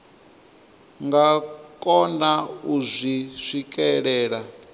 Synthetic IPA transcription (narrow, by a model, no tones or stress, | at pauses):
ŋɡakʼɔnauzʷiʂʷikʼɛɺɛːɺa